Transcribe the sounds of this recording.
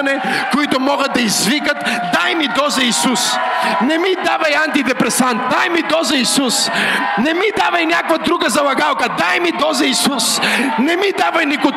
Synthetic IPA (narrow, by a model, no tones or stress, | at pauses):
nɛkoit̪omɔɡət̪̚ːɐizvikət̪ | d̪ajmid̪ɔzɐisus | nɛmid̪avɐjant̪id̪ɛpɾɛsant̪̚d̪ajmid̪ɔzɐisus | nɛmid̪avɐjnʲakvɐd̪ɾuɡəzɐlˠɐɡalˠkɐd̪ajmid̪ɔzɐisusnɛmid̪avɐjniko